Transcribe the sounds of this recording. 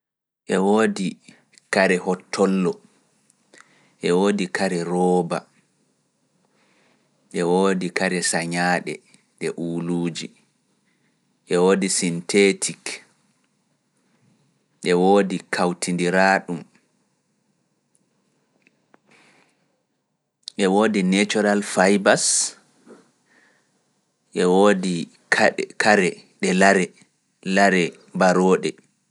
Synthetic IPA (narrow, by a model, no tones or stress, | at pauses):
ʔɛwoːdi | kaɾɛhɔtʰːɔlːɔ | ʔɛwoːdikʰaɾɛɾɔːba | ʔɛwoːdikaɾɛsaɲaːɗɛ | ɗɛʔuːluːd͡ʒi | ʔɛwoːdisintʰetʰik | ʔɛwoːdikʰawtindiɾaːɗum | ʔɛwoːdinet͡ʃɔɾalfajbas | ʔɛwoːdi | kʰaɾɛɗɛlaɾɛ | laɾɛ | baɾɔːɗɛ